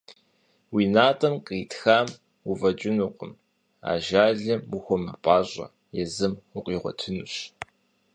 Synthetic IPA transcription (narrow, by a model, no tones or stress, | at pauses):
wiːnaːtʼɐmqʼiːtʰxaːm | uvɐt͡ʃʼɪnuqʷʼəm | a̰ːʒaːɮɐmuxʷɔmɐpʼaːɕʼɐ̰ | jɛzɨmʊqʼiːʁʷɔ̰tʰɨnuɕ